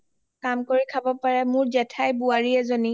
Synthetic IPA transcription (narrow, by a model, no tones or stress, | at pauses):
kamkoɹikʰabɔpaɹɛmʊɹzɛtʰajbuaɹiɛzoni